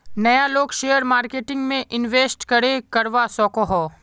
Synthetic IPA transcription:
nɐjaloːɡʃeːjəɾmaːɾkeːʈɪ̃ŋɡmẽʔɪnʋeːsʈkɐɾekɐɾʋasɔːkoɦoː

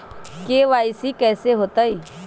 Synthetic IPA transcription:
keʋaːɪsikɛːseɦoːt̪aiː

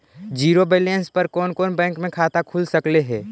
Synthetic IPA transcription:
d͡ʒiːɾobelẽnspɐɾkoːnkoːnbɛ̃ːŋkmẽkʰaːt̪akʰuːlsɐkleɦɛː

